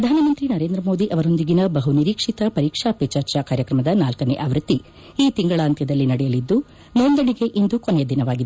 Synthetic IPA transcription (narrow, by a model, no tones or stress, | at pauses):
pɾɐd̪ʱaːnɐmɐnt̪ɾinɐɾe̞ːnd̪ɾɐmo̞ːd̪iʔɐʋɐɾo̞nd̪iɡinɐbɐɦuniɾiːkʂit̪ɐpɐɾiːkʂaːpet͡ʃɐɾt͡ʃaːkaːɾjɐkɾɐmɐd̪ɐnaːlkɐnḛʔaːʋɾut̪ːi | iːt̪iŋɡɐɭaːnt̪jɐd̪ɐlːinɐɽɛjɐlid̪ːu | nond̪ɐɳiɡe̞ʔind̪ukonejɐd̪inɐʋaːɡid̪ee